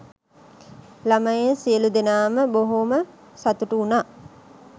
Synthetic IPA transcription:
laməjesiəlud̪enaːməboɦomə | sat̪uʈuːnaː

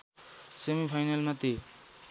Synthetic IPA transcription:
semipʰajnalnʌt̪i

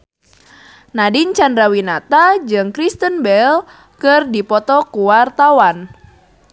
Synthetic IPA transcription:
nadiɲt͡ʃandɾawinat̪ad͡ʒɨŋkɾist̪ənbɛl | kɨrdipɔt̪ɔkuwart̪awan

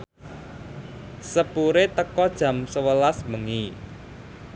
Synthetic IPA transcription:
səpuɾet̪əkɔd̥ʒ̥ä̤msəwəlasməŋi

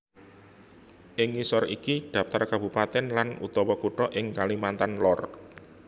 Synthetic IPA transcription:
ʔɪŋisɔrikid̪̥ä̤p̚t̪arkab̥ṳpat̪ɛnlanṵt̪ɔwɔkuʈɔʔɪŋkalimant̪anlɔr

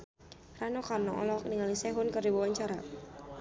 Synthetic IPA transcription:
ranɔkarnɔɔ̰lɔkniŋalisɛɦʊnkərdiwawaɲt͡ʃaɾa

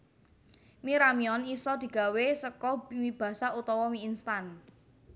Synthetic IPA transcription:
miɾamiɔnisɔd̪̥i̤ɡ̥a̤wesəkɔmib̥a̤saut̪ɔwɔmiːnst̪an

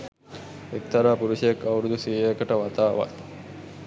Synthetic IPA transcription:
ek̚t̪aɾaːpuɾuʃɐjekːɐwɾud̪usiːjejəkəʈəʋat̪aːʋa̰

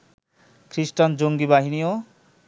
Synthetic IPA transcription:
kʰɾisʈand͡ʑoŋɡibaɦinio

